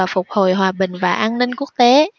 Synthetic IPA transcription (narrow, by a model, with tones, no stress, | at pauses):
aː˨˩fʊ˨˩k͡p̚ho˨˩jɦwaː˨˩ɓï˨˩ŋ̟vaː˨˩ʔaː˧nnːï˧ŋ̟ku˦˥ək̚t̪e˨˦